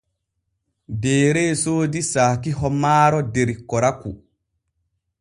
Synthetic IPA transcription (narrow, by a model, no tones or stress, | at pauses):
dɛːɾɛːsoːdisaːkihɔmaːɾɔdeɾikːɔɾaku